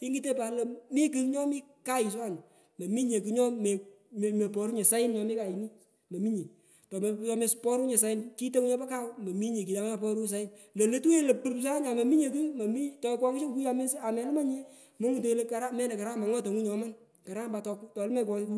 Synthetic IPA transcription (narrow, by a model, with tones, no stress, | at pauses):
i˦ŋɡi˦te˦pa˨lɐ˨mi˦ki˨kɲɔ˦mi˦ka˦jɪ˨s̬wa˦˨n˨ | mɐ˨mi˦ɲe˨k̬ɨ˨˦ɲɔ˦me˨ | me˨pɔ˨ɾu˦ɲe˨sa˦ɪ˦nɲɔ˨mi˦ka˨i˨ni˦ | mɐ˨mi˦ɲe˨ | tɔ˨m˨˦ɔ˨˦me˧spɔ˦ɾu˦ɲe˨s̬a˨˦ɪ˦nki˦to˦ŋu˦ɲɔ˦pa˦ka˦wmɐ˨mi˦ɲe˨ki˨ja˨˦ŋ˦a˨pɔ˦ɾu˦˨s̬a˨˦ɪ˦nlo˨le˦tu˦e˦le˨pu˦ps̬a˦ɲa˨mɐ˨mi˦ɲe˨ku˦mɐ˨mi˦tɔ˨˦kwɔ˦ŋɪ˦t͡ʃi˦kku˦ja˨me˦sa˨mɛ˨˦lma˦ɲe˦ | mo˦ŋu˨to˨i˦le˦ka˨ɾa˦mɛ˦nɛ˨ka˨ɾaː˦ma˨ŋɔ˦to˨ŋu˦ɲɔ˨˦ma˦n | ka˨ɾa˦mba˨tɔ˧ktɔ˨lmɛ˦˨k̬ɔ˧ki˦ku˦